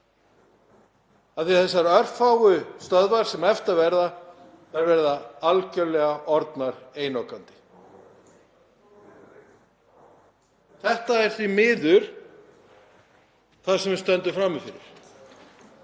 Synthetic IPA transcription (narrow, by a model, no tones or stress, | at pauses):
aθiθɛsːaɾœɾ̥faːwʏst̪œðvaɾ̥sɛmɛft̪avɛɾða | ɛɾvɛɾðaalcœlɛɣaʔɔɾt̪naɾeːjnowkant̪ɪ̥ | θɛht̪aɛɾ̥θvimɪːðʏɾ̥ | θasɛmvɪst̪ɛnt̪ʏfɾamːɪfɪɾɪ̰ɾ̥